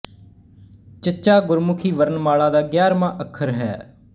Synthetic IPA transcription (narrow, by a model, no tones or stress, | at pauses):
t͡ʃət͡ʃaːɡʊɾmʊkʰiːʋəɾənmaːɭaːd̪aːɡjaːɾmãːʔəkʰːəɾɦɛ̰ː